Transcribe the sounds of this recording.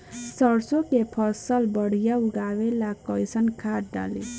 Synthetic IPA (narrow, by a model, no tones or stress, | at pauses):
sʌɽsokepʰʌsəlbʌɽ̤ijauɡawelakʌjsənkʰaʈ̚ɖa̰lḛ